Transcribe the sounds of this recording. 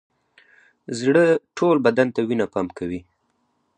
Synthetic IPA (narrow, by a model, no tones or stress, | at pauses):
zɽəʈʰolbad̪ant̪awinapɑmkawi